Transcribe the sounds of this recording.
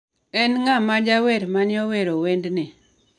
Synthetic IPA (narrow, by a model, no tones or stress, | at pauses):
ɛnŋamad͡ʒaweɾmanɪɔweɾowendnɪ